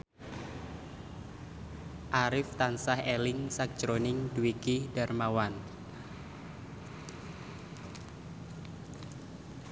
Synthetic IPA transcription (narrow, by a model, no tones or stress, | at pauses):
ʔaɾɪft̪ansahelɪŋsak̚d͡ʒ̥ɾonɪŋduwikid̥a̤rmawan